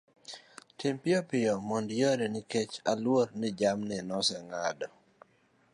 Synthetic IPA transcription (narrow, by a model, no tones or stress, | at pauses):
tɪmpɪopɪjɔmɔndjoɾenɪket͡ʃalwoɾnɪd͡ʒamnɪnɔsɛŋadɔ